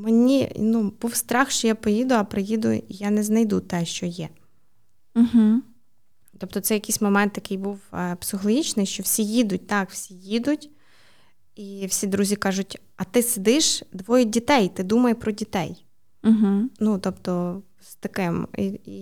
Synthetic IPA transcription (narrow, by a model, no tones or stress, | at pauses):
menʲḭnub̥uwst̪ɾɑxʃt͡ʃɔjapɔjid̪ʊɐpɾɪjid̪ʊ̰ijanɛznɐjd̪ut̪ɛʃt͡ʃɔjɛ | ɦ̩ | t̪ɔp̚t̪ɔt̪sɛjɐkɪjsʲmɔmɛnt̪jɐkɪjbuwpsɪxɔlˠɔɦʲit͡ʃnɪjʃt͡ʃɔwsʲijid̪ʊt̚ʲt̪ɑkw̥sʲijid̪ʊtʲ | iwsʲid̪ɾuzʲikɑʒʊtʲ | ɐt̪ɪsed̪ɪʃd̪ʋɔjʊdʲit̪ɛjt̪ɪd̪umɐjɛpɾɔdʲit̪ɛj̩ | ɦ̩nut̪ɔpt̪ɔ | st̪ɐkɪmi